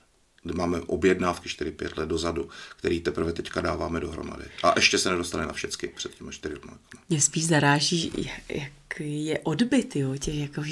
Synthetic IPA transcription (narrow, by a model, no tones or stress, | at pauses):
dɪmaːmɛʔo̞bjɛdnaːfkɪʃt̪ɪɾɪpjɛt̪lɛt̪̚do̞zadukt̪ɛɾiːt̪ɛpɾr̩vɛt̪ɛckadaːvaːmɛdoɦɾo̰ma̰dɪ̰ʔaʔɛʃcɛsɛnɛdost̪anɪnafʃɛt͡skɪpr̥ɛt̪cimaʃt̪ɪɾɪlumalɛkomaɲɛspiːʃzaɾaːʒiːjajakijɛʔodbɪt̪jocɛxjakoi